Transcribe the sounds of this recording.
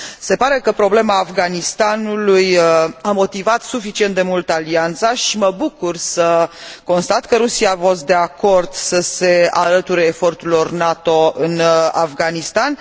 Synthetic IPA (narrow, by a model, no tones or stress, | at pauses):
se̞paɾe̞kəpɾo̞ble̞maːfɡanist̪anulujamo̞t̪ivat̪sufit͡ʃiet̪d̪e̞mult̪əaliant̪saʃiməbukursəko̞nst̪at̪kəɾusiaːfo̞st̪̚d̪e̞ako̞rd̪̥səse̞alət̪uɾeːfo̞rt̪ulornat̪o̞ɨna̰vɡanist̪an